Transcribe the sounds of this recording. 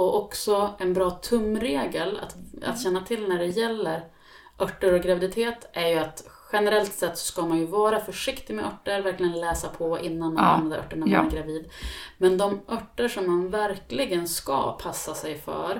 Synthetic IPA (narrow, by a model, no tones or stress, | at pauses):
ɔʔɔksɔɛnbɾɑːt̪ʰɵmːɾeːɡəla̰t̪a̰t̪ɕɛnːat̪ʰɪlːnæɖɛjɛlːəɾ | ʔœʈːəɾɔɡɾavɪd̪ɪt̪ʰeːt̪ːʔæɾjɵat̪ɧɛnɛɾɛlt̪sɛt̪ːsɔ̥skamanjɵvɑːɾafœʂɪkt̪ɪmɛʔœʈːəɾvæɾklɪɡənlɛːsapʰɔʔɪnːanmana̰mːad̪əɾʔœ̰ʈːəɳamanæɾɡɾaviːd̪mɛnd̪ɔmʔœʈːəʂɔmːanvæɾklɪɡənska̰pʰasːasɛjfœ̰ɾ